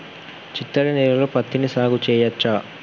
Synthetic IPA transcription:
t͡ʃit̪ːɐɾɐnɛːɾɐloːpɐt̪ːinisaːɡut͡ʃɛːjɐt͡ʃːaː

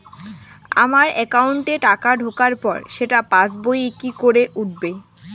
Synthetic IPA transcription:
a̰maɾɛkauɳʈeʈakaɖʱokaɾpɔ̰ɾʃeʈapasbojekikoɾeʔuʈ̚be

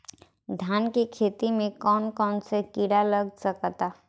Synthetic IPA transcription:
d̪ʱjaːnkikʰeːt̪imẽkɔːnkɔːnsekiɽaləɡsəkt̪a

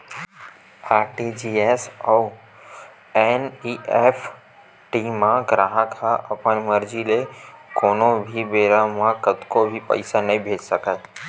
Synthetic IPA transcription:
aːɾʈid͡ʒiesoː | eniːeːpʰ | ʈimãɡɾaːɦəkʰaʔɐpənməɾd͡ʒilekoːnõbʱibeːɾamãkət̪kobʱipɐ̰ɪsanɐɦĩbʱeːd͡ʒsəkət̪

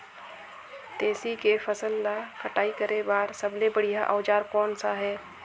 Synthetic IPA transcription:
t̪eːsikefɐsəlːakɐʈaːikəɾebaːɾsɐblebəɽ̤ijaʔɔːd͡ʒaːɾkɔːnsaɦɛː

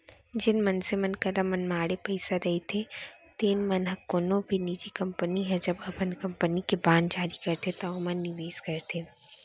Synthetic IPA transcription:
d͡ʒɪnmɐnsemɐnkɐɾamɐnmaːɽepɐɪsaɾɐɦet̪ʰet̪eːnmɐnɦɐkːonõbʱiniːd͡ʒikɐ̃mpəniɦɛd͡ʒɐbɐpənkɐmpənikebãːnd͡ʒaːɾikɐɾt̪et̪amɐnnːɪʋeːskɐɾt̪e

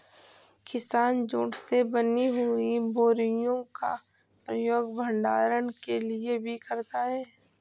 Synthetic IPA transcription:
kɪsaːnd͡ʒoːʈsebəniɦuibʱoːɾɪjõka̰ | pɾəjoːɡbʱə̃ɳɖaːɾənkeliebʱikəɾt̪aɦɛː

